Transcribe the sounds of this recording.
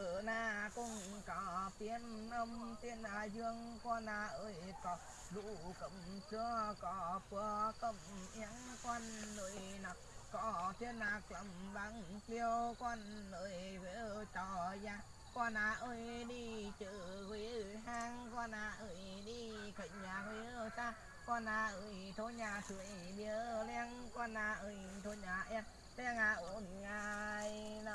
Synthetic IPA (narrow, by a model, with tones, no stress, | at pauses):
naː˧kʊ̰˧˥ŋ͡mkɔ˨˦t̪i˨˦ənʔə˧wŋ͡mt̪i˧əna˧˩zɨ˧əŋkwa˧naː˧˩ʔəː˧˩jkɔ˨˦ | ɗṵ˧˥kə̰˧˨ŋ͡msɨ˧əkɔ˨˦ku˧˦əkə˧˩ŋ͡mmʔi˨˧˦əŋkwa˧nːə˧˨jna˨˩k̚kɔ˨˦t̪ʰi˧ənːaː˨˩k̚lə̰˧˩mɓaː˨˦ŋt̪i˧əwkwa˧nːəː˧˨˩jve˧˨˦t͡ɕɔ˧˨jaː˧˩ | kwa˧naː˨˧˩ʔə˧jɗi˧t͡ɕɨ˧˨kwi˨˦˨ɦaː˧ŋkwa˧naː˧˩ʔə˧˨jɗi˧kə˧˨ɲɲaː˨˩kwi˨˦ə˧saː˧ | kwa˧naː˧˩ʔə˧˨jt̪ʰo˧˦ɲaː˨˩sɨ˨˧˨ə˨jɓi˧˨ə˦lɛ˧əŋkwa˧na˧˩ʔə˧˩jt̪ʰo˧˦ɲaː˨˩ʔɛ˧ | lɛ˧ə˧ŋa˨˧˩ʔo˧˩nŋaː˧˨˩jn˧